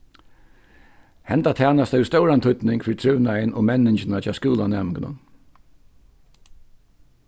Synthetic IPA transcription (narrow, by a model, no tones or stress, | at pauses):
hɛnt̪at̪ʰæːnast̪ɛʊst̪œʊwɾant̪ʰʊt̪nɪŋkfɪɾt̪ʰɾʏʋnajənʔɔːmɛnɪnt͡ʃɪnat͡ʃʰɑːskuːlanɛmɪɡnə̰n